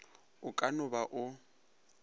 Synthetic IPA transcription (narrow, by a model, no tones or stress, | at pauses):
ʊkʼanʊbaʔʊ